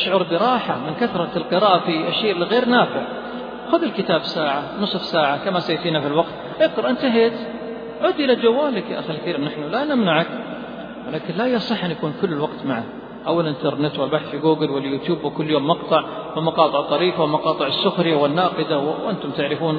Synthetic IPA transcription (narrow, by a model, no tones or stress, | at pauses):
ʃʕʊɾˤbɪɾˤɑːħamɪnkaθɾˤɑlqɨɾaːʔafiʔaʃːeːʔɪlːiɣeːɾnaːfɪʕ | xʊðɪlkɪt̪aːbsaːʕanɨsˤfsaːʕakamasajt̪iːnafilwɑqt̪ | ʔɪqɾɑʔɪnt̪aɦeːt̪ | ʕuːd̪ʔɪlad͡ʒawːaːlɪkʔaxalkθiːɾmnaħnulanamnaʕak | wɪlaːkɪnlajːasˤɨħːʔɪnjakuːnkʊlːɪlwɑqt̪maʕa | ʔawːalʔɪnt̪ɑɾˤnɪt̪wɪlbaħθfiɡuːɡɪlwɪljuːt̪juːbwɪkʊlːjoːmːɑqt̪ˤɑʕwɪlmɑqɑːt̪ˤɨʕt̪ˤːɑɾiːfawɪlmɑqɑːt̪ˤɨʕɪsːʊxɾɪjawɪnːɑːqɨd̪awwʔɪnt̪ʊmt̪ɪʕɾɪfuːn